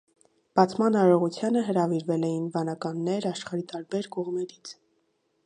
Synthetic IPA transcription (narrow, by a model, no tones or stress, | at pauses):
b̥ɑt͡sʰmɑnɑɾɔʁut͡sʰjɑnəɦəɾɑviɾvɛlɛjinvɑnɑkɑnːɛɾɑʃχɑɾit̪ɑɾbɛɾkɔʁmɛɾit͡sʰ